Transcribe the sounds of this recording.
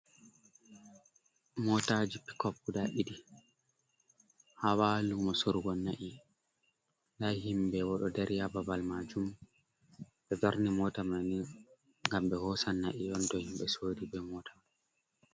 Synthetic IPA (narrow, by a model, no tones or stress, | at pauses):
mɔtad͡ʒipi̥kɔpːudaʔidi | hawalumɔsoɾuɡɔnːaʔi | lahimbɛwɔɗɔdɛɾijababalmad͡ʒum | ɓɛdaɾnimɔtamani | ŋɡambɛhɔsanːaʔiɗɔntɔhimɓɛsoːdibɛmɔtama